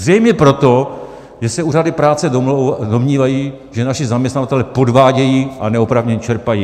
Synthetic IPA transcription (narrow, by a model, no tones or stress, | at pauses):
rɛjmɲɛpɾo̞t̪o̞ | ʒɛsɛuːradɪpɾaːt͡sɛdo̞mɲiːvajiː | ʒɛnaʃɪzamɲɛst̪navat̪ɛlɛpo̞dvaːɟɛjiːʔanɛopɾavɲɛɲt͡ʃɛɾpajiː